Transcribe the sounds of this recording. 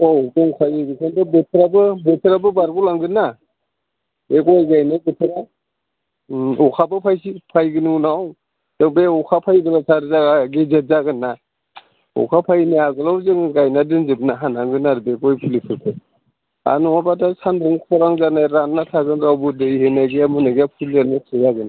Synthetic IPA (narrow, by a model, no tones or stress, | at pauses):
ɔzɯŋpʰajiɡisʰandɯbetʰɾabɯbetʰɯɾabɯbaɾɡulaŋɡɯna | beɡɔjɡajnaɡetʰɯɾa | ɔkʰabɯpʰajsipʰajɡɯnunaw | z̥ɯŋbeɔkʰapʰajɡɯlatʰaɾzaɡaɡezazaɡɯnːa | ɔ̰kʰapʰajniaɡɯlawzɯŋɡajnadɯnzɯbnaɦanaŋɡɯnaɾbeɡɔjpʰulipʰɯɾkʰɯ | a̰nuabadasandɯŋkʰɔɾaŋzanajɾanːatʰaɡɯnɾawbɯdɯihenaɡijamɯnaɡijapʰulanatʰɯjaɡɯna